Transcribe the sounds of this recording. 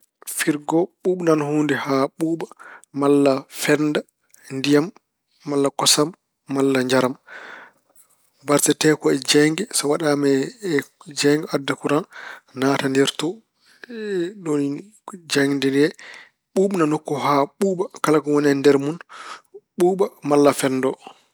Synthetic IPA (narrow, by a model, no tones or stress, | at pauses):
fiɾɡɔɓuːɓnanhuːndɛhaɓuːɓamalːafɛnda | ndijamː | alːakɔsamː | alːaɲd͡ʒaɾam | baɾtɛtɛːkɔɛd͡ʒɛŋɡɛsɔwaɗamɛ | d͡ʒɛŋɡɛadːakuɾannaːtandɛɾtɔ | ɗoni | d͡ʒaŋndɛnɛ | ɓuːɓnanokːɔɦaɓuːɓakalakɔwɔnɛndɛɾmun | ɓuːɓamalːafɛnːdɔ